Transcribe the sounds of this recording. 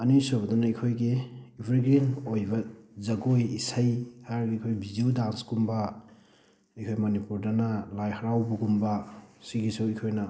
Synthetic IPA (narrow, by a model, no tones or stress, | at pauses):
ɐnisubɐdunɐikʰojɡiipʰɾiɡɾinojbɐzɐɡojisajhaɾɡiikʰojbid͡ʒiudalskumbɐ | ikʰojmɐnipuɾdɐnɐlajhɐɾawbuɡumbɐsiɡisuikʰojnɐ